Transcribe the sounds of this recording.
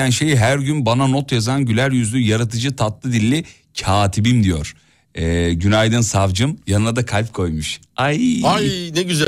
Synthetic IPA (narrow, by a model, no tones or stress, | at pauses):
ænʃe̞jɦæɾɟynbanano̞t̪jazanɟylʲæɾjyzlʲyjaɾat̪ʰɯd͡ʒɯt̪ʰat̪lˠɯd̪ilʲːi | cʰaːt̪ʰibimd̪ijo̞̰ɾ̥ | ɛːɟynajd̪ɯnsavd͡ʒɯmjanɯlˠad̪akʰalʲp̚kʰo̞jmuʃ | ajanɛɟyz